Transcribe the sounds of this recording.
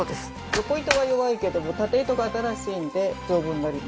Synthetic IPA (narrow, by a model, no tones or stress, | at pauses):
oːd̪esɨ̥ | jo̞ko̞it̪o̞βajo̞βaike̞d̪o̞mo̞t̪at̪e̞ːt̪o̞kaːt̪aɾaɕiːnd̪e̞d͡ʑo̞ːbɯ̟̃nːaɾʲima